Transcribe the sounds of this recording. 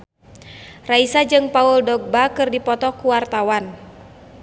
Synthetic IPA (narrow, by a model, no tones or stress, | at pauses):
raisad͡ʒɨŋpauldɔɡ̚bakɨrdipɔt̪ɔkuwart̪awan